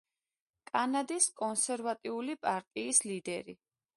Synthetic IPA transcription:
kʼanad̪iskʼɔnsɛɾvat̪ʼiulipʼaɾt̪ʼiːslid̪ɛɾi

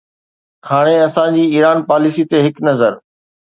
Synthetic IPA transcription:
haːɽ̃eɐsãd͡ʑiːiːɾaːnpaːlɪsit̪eɦɪknɐzəɾ

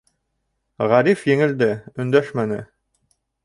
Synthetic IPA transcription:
ʁæɾifjɘ̆ŋɘ̆ld̪ɘɵ̆nd̪æʃmænɘ̰

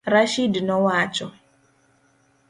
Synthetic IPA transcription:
ɾaʃidnɔwat͡ʃɔ

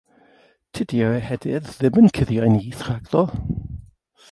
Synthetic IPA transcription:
tʰɪdiəɛhɛdɪððɪmənkʰɪðjajniːθraɡlɔ

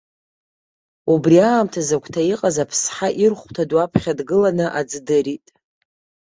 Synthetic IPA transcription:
ubriaːmtʰazakʷʰtʰaiqʼazapʰsħaʔirχʷtʰadwapʰχʲadɡɨlanɨʔad͡zdɨɾitʼ

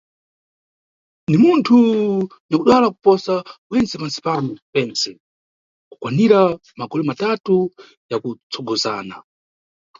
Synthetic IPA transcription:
ndimuntʰu | nakuɗwalaku̥pɔsawɛnt͡sɛpansi̥panɔpɛːnsɛ | ku̥kwaniɾa | maɡɔlɛmatatu | jakut͡sʰɔɡɔzaːna̰

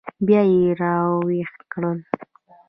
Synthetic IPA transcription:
bjɑjeɾɑwext̪kɽəl

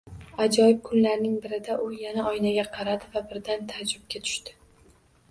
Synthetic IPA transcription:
ad͡ʒɒjɪb̚kʰʊnlaɾnɪŋbɪɾɪd̪aʔʊjanaɒjnaɡʲaqʰɑɾad̪ɪvabɪɾd̪ant̪ʰad͡ʒʊb̚kʲat̪ʰʊ̥ʃt̪ɪ̥

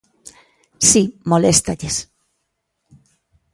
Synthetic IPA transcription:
simolest̪aʎes

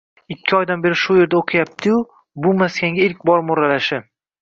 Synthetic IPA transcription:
ɪkʲʰːɪɒjd̪anbe̞ɾɪʃʊje̞ɾd̪aoqʰɨjap̚t̪ʰɪjʊ | bʊmaskʲaŋɡʲaɪlk̚ʲbɒɾmʊɾalaʃɪ

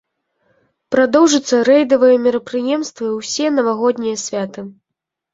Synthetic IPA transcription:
pɾad̪ɔwʐɨt̪sːɐɾɛjd̪ɐvɨjɐmʲiɾɐpɾɨjɛmst̪vɨwsʲɛnɐvaɣɔd̪ʲnʲijɐsʲvʲat̪ɨ

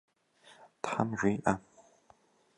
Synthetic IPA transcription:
tħa̰mʒʷiːʔa

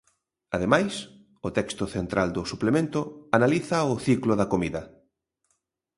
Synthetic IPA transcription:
að̞emajs | ʊt̪ɛkst̪ʊθent̪ɾʔald̪ʊsuplemẽnt̪ʊanaliθɐʊθiklʊðɐkomiðɐ

